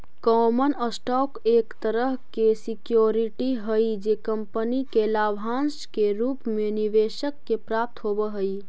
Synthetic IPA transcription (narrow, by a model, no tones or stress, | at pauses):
kɔːmənəsʈɔːkeːkt̪əɾəɦkesɪkjoːɾiʈiɦəid͡ʒeːkə̃mpənikelaːbʱãːnskeɾuːpmẽniʋeːʃəkːepɾaːp̚t̪ɦoːbəɦəi